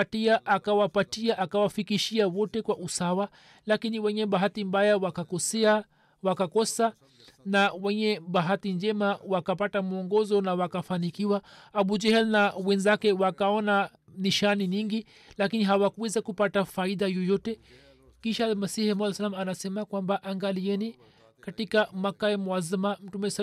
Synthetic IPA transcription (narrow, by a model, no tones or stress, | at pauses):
atiaʔakawapatiaʔakawafikiʃiawɔtɛkwaʔusawa | lakiniwɛɲɛɓaɦatimbajawakakɔsɛa | wakakɔsa | nawɛɲɛɓaɦatiɲd͡ʒɛmawakapatamuɔŋɡɔzɔnawakafanikiwaːɓud͡ʒɛhɛlnawɛnzakɛwakaɔna | niʃaniɲiŋɡi | lakiniɦawakuwɛzakupatafaiðajɔjɔtɛ | kiʃalmasihimlsalamanasɛmakwambaʔaŋɡaliɛni | katikamakaɛmwazimam̩tumɛɛs